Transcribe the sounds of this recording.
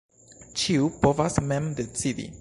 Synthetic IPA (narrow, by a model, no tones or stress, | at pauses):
t͡ʃiupovasmɛ̃md̪et͡sid̪ḭ